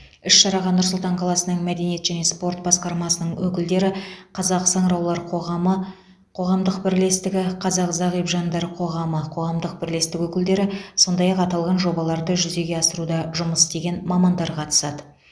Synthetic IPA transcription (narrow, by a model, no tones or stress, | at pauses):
ɪʃʃɑɾɑʁɑnːʊɾsʊlˠt̪ɑɴqʰɑlˠɑsənəɴmæd̪e̞nije̞t̪ʒæne̞spo̞rt̪̚bɑsqɑɾmɑsənəɴwɵkʲɪld̪e̞ɾɪqʰɑzɑqsɑɴɾɑwlˠɑɾqʰoʁɑə | qʰo̞ʁɑmd̪əqbɪɾle̞st̪ɪɡʲɪqʰɑzɑqzɑʁijpʒɑnd̪ɑɾəqʰo̞ʁɑməqʰo̞ʁɑmd̪əq̚bɪɾle̞st̪ɪkwɵkʲɪld̪e̞ɾɪso̞nd̪ɑjɑqɑt̪ɑlˠʁɑnʒo̞bɑlˠɑɾd̪əʒʏze̞ɡʲe̞ɑsəɾud̪ɑʒʊməst̪e̞ɡʲe̞nmɑmɑnd̪ɑɾqʰɑt̪ə̥sɑd̪ə